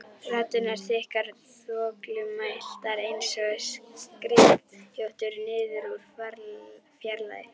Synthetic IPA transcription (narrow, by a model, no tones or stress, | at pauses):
fraːt̪ʏnaɾ̥θɪhkaɾθɔːklʏmajl̥t̪aɾejnsɔɣsskɾɪh̪jowht̪ʏɾnɪːðʏɾuɾ̥aɾfjaɾla̰ðɪ̰